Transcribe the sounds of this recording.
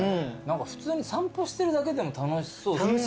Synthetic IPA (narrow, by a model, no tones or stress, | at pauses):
nãŋkaɸɯ̥t͡sɨːɲ̟isãmpoɕi̥t̪e̞ɾɯ̟d̪ake̞d̪e̞mo̞t̪anosoːaoɕ